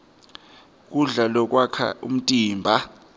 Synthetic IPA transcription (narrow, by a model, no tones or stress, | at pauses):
k̬ʼuɮalɔk̬ʼwakʰa̰ṵm̩tʼiːmbʱa